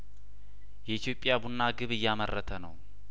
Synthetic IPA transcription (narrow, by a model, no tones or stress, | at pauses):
jɛit̪ʰjo̞pʼːjabunːaɡɨβɨjːamərːət̪ʰənəw